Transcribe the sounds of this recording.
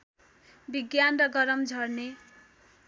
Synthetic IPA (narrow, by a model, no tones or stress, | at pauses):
biɡjanrʌɡʌɾʌmd͡zʱʌrne